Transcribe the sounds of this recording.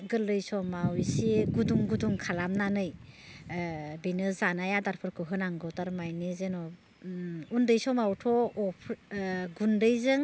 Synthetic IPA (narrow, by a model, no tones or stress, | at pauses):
ɡɯlːɯjsɔmawisiɡuduŋɡuduŋkʰalamnanɯj | binɯzanajadaɾpʰɯɾkʰɯɦɯnaŋɡɯwtaɾmajnizenɔ | undɯjsɔmawtʰɔːpʰɡundɯjzɯŋ